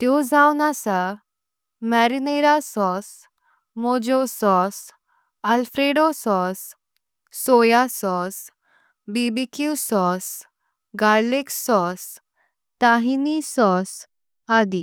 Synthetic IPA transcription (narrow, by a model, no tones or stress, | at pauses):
t̪jɔd͡zawnasa | mɛɾineɾasɔs | mɔd͡ʑɔsɔs | alfɾeɖɔsɔsː | ojasɔs | bibikusɔs | ɡaɾleksɔs | t̪aɦinisɔs | ad̪i